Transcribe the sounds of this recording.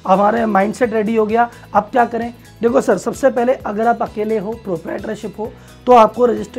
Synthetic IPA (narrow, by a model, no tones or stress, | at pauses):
ɦɐmaːɾemãːɪɳɖsɛʈɾeːɖiɦoɡɐjaː | aːp̚kjaːkɐɾẽː | d̪eːkʰosɐɾsɐbsepɛɦleʔɐɡəɾaːpɐkeːleɦoːpɾoːpɾaeːʈəɾʃɪpɦoː | t̪oaːp̚koɾɪd͡ʒɪsʈɾ